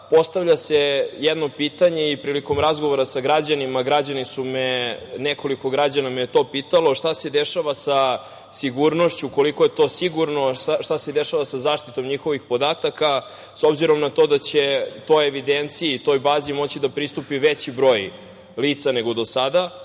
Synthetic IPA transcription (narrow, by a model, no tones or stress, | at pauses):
po̞st̪aʋʎʲasejɛd̪no̞piːt̪aɲeipɾiːliko̞mɾazɡo̞ʋoɾasaɡɾad͡ʑanimaɡɾad͡ʑanisumenekoliko̞ɡɾad͡ʑanamejt̪o̞piːt̪alo̞ʃt̪ase̞d̪eʃaʋasa | siɡuɾno̞ʃt͡ɕuko̞likojet̪o̞siɡuɾno̞aʃt̪ased̪eʃaʋasazaːʃt̪it̪o̞mɲixo̞ʋixpo̞d̪aːt̪aka | so̞bziɾo̞mnat̪o̞d̪at͡ɕet̪o̞jeʋid̪ent̪siiːt̪o̞jbaːzimo̞t͡ɕid̪apɾist̪upiʋet͡ɕibɾo̞j | liːt̪sane̞ɡo̞d̪o̞sad̪a